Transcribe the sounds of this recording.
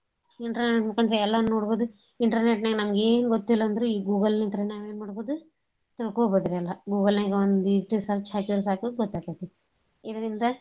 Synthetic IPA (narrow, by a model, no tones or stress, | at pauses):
iɳʈɐɾeʈmukɐnd̪ɐɾeɛlːɐːoːɽboːd̪u | iɳʈɐɾneʈnɐːɡenɐmɐɡeːnuɡot̪ːilːɐːnd̪ɐɾuiːɡuːɡɐlnint̪ɐɾɐnaːʋe̞ːnmaːɽboːd̪u | t̪iɽkoːboːd̪ɐɾeɛlːɐɡuːɡɐlnɐɡeond̪uiʋʈisɐɾt͡ʃhaːkiɐɾɐsaːkuɡɔt̪ːaːkat̪e | id̪ɐɾind̪ɐ